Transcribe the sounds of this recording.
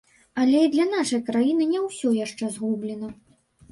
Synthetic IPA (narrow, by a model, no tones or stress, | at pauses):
alʲɛid̪lʲɐn̪aʂɐjkɾajinɨnʲɛwsʲɔjaʂt͡ʂɛzɣublʲɛnɐ